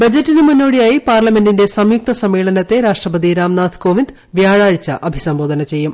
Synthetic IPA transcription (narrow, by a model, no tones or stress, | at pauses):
bɐd͡ʑɐtːinɨmunːo̞ːɽijaːjipaːrlɐme̞ndinde̞sɐmjuk̚t̪ɐsɐmːeːɭɐnɐt̪ːe̞ɾaːʂʈrɐpɐd̪iɾaːmnaːd̪ʰʱkoːʋind̪ | ʋjaːɻaːɻit͡ɕːɐʔɐbʱisɐmbo̞ːd̪ʱɐnɐt͡ɕe̞jːum